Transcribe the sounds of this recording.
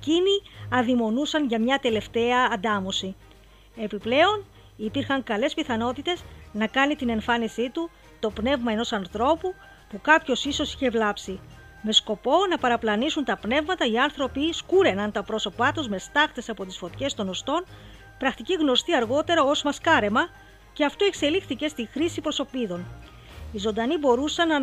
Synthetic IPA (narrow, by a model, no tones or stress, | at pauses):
eciniɐðimo̞nusɐnʝɐmɲɐt̪e̞le̞ft̪e̞ɐːnd̪ɐmo̞si | e̞piple̞o̞n | ipiɾxɐŋkɐle̞spiθɐno̞t̪it̪e̞znɐkɐnit̪ine̞ɱfɐnisit̪u | t̪o̞pne̞vmɐe̞no̞sɐnθɾo̞pu | pukɐpço̞siso̞si̥çe̞vlɐpsi | me̞sko̞po̞nɐpɐɾɐplɐnisunt̪ɐpne̞vmɐt̪ɐiɐnθɾo̞piskuɾe̞nɐnt̪ɐpɾo̞so̞pɐt̪uzme̞st̪ɐxt̪e̞sɐpo̞t̪isfo̞t̪çe̞st̪o̞no̞st̪o̞n | pɾɐxt̪iciɣno̞st̪iɐɾɣo̞t̪e̞ɾɐo̞zmɐskɐɾe̞mɐ | ce̞ɐft̪oe̞kse̞lixθice̞st̪ixɾisipɾo̞so̞piðo̞n | izo̞nd̪ɐnibo̞ɾusɐnɐ